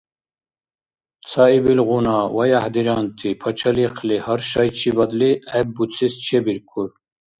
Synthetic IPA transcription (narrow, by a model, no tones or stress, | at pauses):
sɑibilʁunɑwɐjahd̪iɾɑnt̪ʰipʰɐt͡ʃʰɐliqʰlihɐɾʃɑjt͡ʃʰibɐd̪liɛb̚but͡sʰist͡ʃʰebiɾkʰuɾ